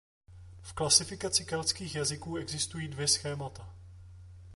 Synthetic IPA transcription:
fklasɪfɪkat͡sɪkalt͡skiːxjazɪkuːɛɡzɪst̪ujiːdvjɛsxɛːmat̪a

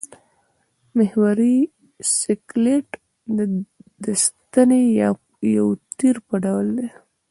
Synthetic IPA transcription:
mɪhwaɾi | sɪkleʈ | d̪əd̪əst̪ane | jawt̪iɾpəɖawld̪e

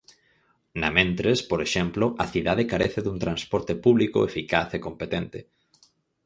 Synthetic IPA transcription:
namẽnt̪ɾespoɾeʃɛmploʔaθiðaðekaɾeθeðuŋt̪ɾanspɔɾt̪epuβliko̰efikaθekompet̪ent̪e

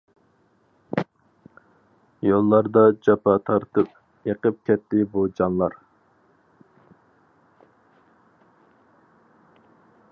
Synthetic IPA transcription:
jolˠːɑɾd̪ɑd͡ʒɑpɑt̪ʰɑɾt̪ɨp̚ | jəqəp̚kʲɛt̪ːɪbud͡ʒɑnlˠɑɾ

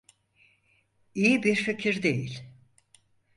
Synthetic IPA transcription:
ijibiɾfecʰiɾd̪ejilʲ

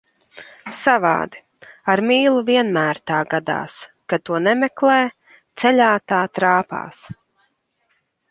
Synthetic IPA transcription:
sava̰ːd̪i | aɾmiːlˠuviɛnmæːɾt̪aːɡad̪a̰ːs | kat̪uɔnɛmɛklˠɛː | t̪sɛlʲaːt̪aːt̪ɾaːpa̰ːs

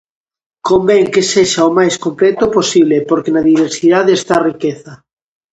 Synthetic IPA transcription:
kombeŋkeseʃaomajskomplet̪oposiβlepoɾkenaðiβ̞eɾsiðaðest̪arikeθa

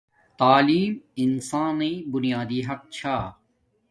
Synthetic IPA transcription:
t̪aːliːmɪnsãːnɐbʊnijaːd̪iːɦɐq̚t͡ɕʰaː

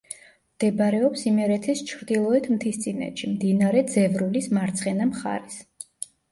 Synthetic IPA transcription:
md̪̥ɛbaɾɛɔpsimɛɾɛt̪ʰɛst͡ʃʰɾd̪ilˠɔɛt̪ʰmt̪ʰist̪sʼinɛ̰ʃimd̪inaɾɛd̪zɛvɾulismaɾt̪sʰχɛnamχa̰ɾis

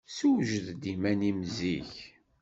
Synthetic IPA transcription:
suwʒəðd̪imænimziç

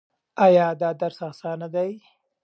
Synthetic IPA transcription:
ajɑd̪ɑd̪aɾsasɑnad̪aj

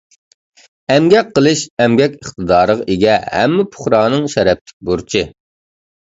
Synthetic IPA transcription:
ɛmɡʲɛk̚ʲqːəlˠɨʃɛmɡʲɛkʲəχt̪ɨd̪ɑːɾəʁɑʔeɡʲɛhɛ̰mːɪpʰʊ̥χɾɑːnɨŋʃɛɾɛp̚t̪ʰɪ̥k̚ʲbuɾt͡ʃʰɪ

